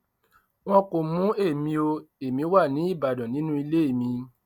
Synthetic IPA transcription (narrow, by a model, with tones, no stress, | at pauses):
w̃ɔ̃˧ko˨mũ˨˦e˦˨mĩ˧o˧e˨mĩ˨˧˦wa˦˨nĩ˨˦i˦˨ba˨dɔ̃˨nĩ˨˦nũ˦i˧le˦e˦˨mĩ˧